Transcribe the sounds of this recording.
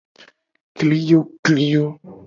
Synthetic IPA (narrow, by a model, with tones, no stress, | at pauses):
kli˦jo˦kli˦jo˦